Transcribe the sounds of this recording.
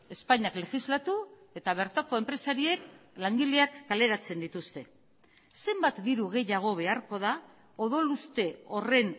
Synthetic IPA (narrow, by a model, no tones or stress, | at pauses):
e̞spaɲakle̞xizlat̪ue̞t̪aβ̞e̞ɾt̪ako̞empɾe̞saɾie̞klaŋɡileakːale̞ɾat͡se̞nd̪it̪ust̪e̞ | se̞mbat̪d̪iɾuɣ̞e̞jaɣ̞o̞β̞e̞aɾko̞ð̞a | o̞ðo̞lust̪e̞o̞re̞n